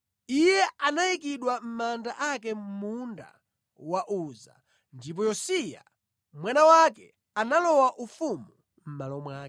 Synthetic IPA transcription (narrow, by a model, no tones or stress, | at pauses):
ijɛanajik̬iɗwam̩mandaʔakɛm̩munda̰ | waʔuza̰ | ndip̬ɔjɔsija̰ | mwanawakɛ | analɔwaʔufumu | m̩malɔmwaː